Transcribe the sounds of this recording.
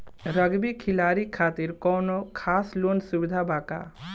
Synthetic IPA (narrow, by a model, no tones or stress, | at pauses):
ɾəɡbikʰɪlaːɾikʰaːt̪iɾkɔːnokʰaːsloːnsuʋɪd̪ʱabaːka̰ː